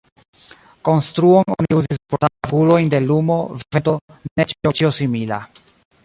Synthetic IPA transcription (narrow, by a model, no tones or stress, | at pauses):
ko̞nst̪ɾuono̰niuzispoaavulo̞jnd̪e̞lumo̞vevent̪o̞net͡ʃio̞t͡ʃiosimila̰